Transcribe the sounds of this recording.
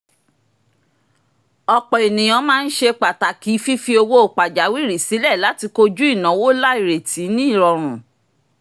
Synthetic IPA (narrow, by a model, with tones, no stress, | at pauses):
ɔ˧˨k͡pɔ˨e˨nĩ˨j̃ɔ̃˨˧˦mãː˦˧n̩˦ʃe˧k͡pa˨ta˨ki˨˦fi˦fi˧o˧wo˦o˨k͡pa˨d͡ʒa˨˦wi˦˨ɾi˨si˨˦lɛ˦˨la˨˦ti˧ko˧d͡ʒu˦i˦˨nã˨˦wo˦la˦i˦˨ɾe˨ti˨˦nĩ˦i˦˨ɾɔ˧ɾ̃ũ˨